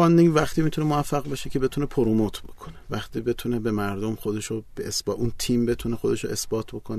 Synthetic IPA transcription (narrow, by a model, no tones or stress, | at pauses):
ɒːnd̪ivæχt̪iːmit̪unemoæfːæʁbeʃecʰe̞be̞t̪ʰune̞pʰoɾumot̪ʰb̥o̞kʰo̞ne̥væχt̪ʰiːbe̞t̪ʰunebe̞mæɾd̪omxod̪e̞ʃob̥eesbɒʔunt̪ʰiːmbe̞t̪ʰunexo̞d̪e̞ʃoe̞sb̥ɒːt̪ʰbo̞kʰon